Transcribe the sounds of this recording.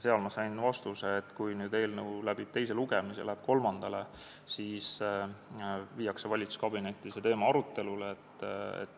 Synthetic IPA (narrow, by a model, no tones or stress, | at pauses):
se̞ɑlmɑsɑjnvɑst̪useːt̪ːkujnyːd̪e̞ːlnəwlæb̥it̪e̞js̬e̞luɡemisḛlæheb̥ko̞lmɑnd̪̥ɑle | siːs | viːjɑkse̞vɑlʲit̪su̥skɑbine̞t̪ʲːˑiset̪e̞ːmɑɑɾut̪ːˑe̞luleːt̪ːḛt̪ːˑ